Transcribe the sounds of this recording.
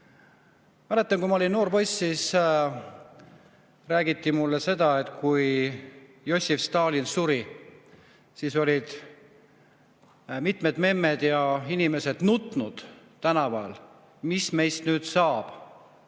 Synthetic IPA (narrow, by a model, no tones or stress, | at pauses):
mɑlet̪ːˑɑŋkuimɑolʲino̞ːrpo̞jsːis | ræːɡ̥it̪ːimulːese̞d̪̥ɑe̞t̪ˑkuj | jo̞sʲifst̪ɑːlinsuɾi | siso̞lʲid̪̥ | mit̪me̞d̪̥me̞mːed̪̥jɑinime̞se̞d̪̥nut̪ˑnud̪̥ | t̪ænɑpæl | misme̞jst̪nyːd̪̥sɑːb̥